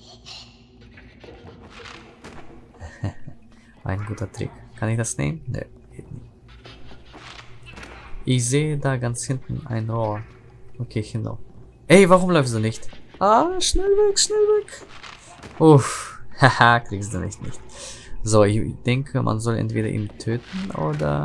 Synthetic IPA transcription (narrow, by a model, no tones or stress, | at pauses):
ʔa̰ɪnɡuːtɐtʁ̥ɪ̰kkʰanɪçd̥asnḛːmənnə̰ | ɡ̥ḛːtnɪçt | ʔɪçzeːədaːɡant͡shɪntn̩ʔa̰ɪnʁoːɐ | ʔokʰeːçɪno̰ː | ʔɛvaʁʊmlɔʏft̬d̥uːnɪçtʔaːʃnɛlvɛkʃnɛlvɛk | ʔuxhahakʁ̥ikstd̥uːnɪ̰çtnɪ̰çtzoːɪçd̥ɛŋkʰəmʔa̰nzɔlʔɛ̰ntv̥ḛːdɐ̰ʔḭːmtʰøːtn̩ʔo̰ːdɐ̰